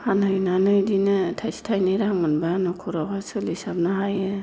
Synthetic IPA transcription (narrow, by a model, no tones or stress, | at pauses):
hanɯjnanɯjdinɯtʰajsi̥tʰajnɯɾaŋmɯnbanɯkʰuɾakasɯlisab̚naɦajɯ